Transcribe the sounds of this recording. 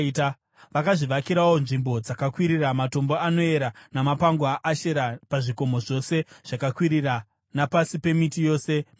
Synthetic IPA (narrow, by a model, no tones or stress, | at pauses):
ta | ʋakaʐiʋakiɾawo̞nʐimbo̞d͡zakakwiɾiramato̞mbo̞ano̞e̞ɾanamapaŋɡwaʔaʃeɾapaʐiko̞mo̞ʐo̞se̞ʐ̥akakwiɾira | napasipe̞mitijo̞ːse̞